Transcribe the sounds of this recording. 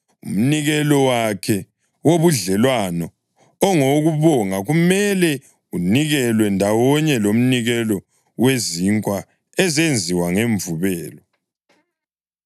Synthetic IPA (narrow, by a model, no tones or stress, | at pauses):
ṵm̩niɣɛlɔwakʰɛ | woβuɮɛlwanɔ | ɔŋoɣuβɔŋaɣumɛlɛ | uniɣɛlwɛndʱawɔɲɛlom̩niɣɛlɔ | weziŋkʼwa | ɛzend͡zʱiwaŋeɱvuβɛːlɔ